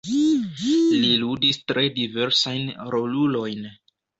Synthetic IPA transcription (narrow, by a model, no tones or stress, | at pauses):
liludistɾe̞dive̞ɾsajnɾo̞lulo̞jn